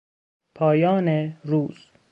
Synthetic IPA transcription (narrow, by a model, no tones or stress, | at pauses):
pʰɒːjɒːneɾuːz̥